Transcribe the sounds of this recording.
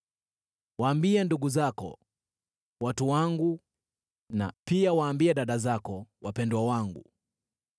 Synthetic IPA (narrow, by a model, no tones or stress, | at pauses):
waːmbianduɡuzakɔ̰ | watuwaŋɡu | na̰piawaːmbiaɗaɗazakɔwapɛndwawaŋɡṵ